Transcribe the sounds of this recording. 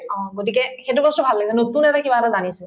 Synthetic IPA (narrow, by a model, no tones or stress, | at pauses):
ɔ̃ɡot̬ikɛxet̬ubɔstɔbʱalːaɡisɛnotunɛtakibatazanisɛ